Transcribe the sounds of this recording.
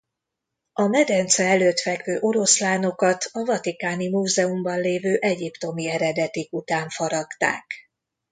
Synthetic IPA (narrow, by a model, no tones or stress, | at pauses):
ɒmɛd̪ɛnt̪sɛɛløːt̪fɛkvøːʔo̞ɾo̞slaːno̞kɒt̪ɒvɒt̪ikaːnimuːzɛumbɒnleːvøːʔɛɟipt̪o̞miɛɾɛd̪ɛt̪ikut̪aːɱfɒɾɒɡt̪a̰ːk